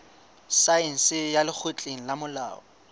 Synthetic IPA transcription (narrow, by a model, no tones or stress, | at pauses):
saɛn̩sɪjalɪk͡xʰot͡ɬʼeŋ̩lamʊla̰ːɔ